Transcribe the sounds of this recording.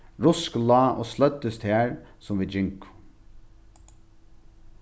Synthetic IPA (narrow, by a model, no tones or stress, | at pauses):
ɹʊsklɑːʔɔslœt̪ːəst̪hæːɹsʊmʋiːd͡ʒʏŋkʊ̥